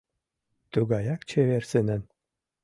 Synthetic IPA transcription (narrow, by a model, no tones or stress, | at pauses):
t̪uɡɑjɑkt͡ɕʰeβersɘnɘ̆n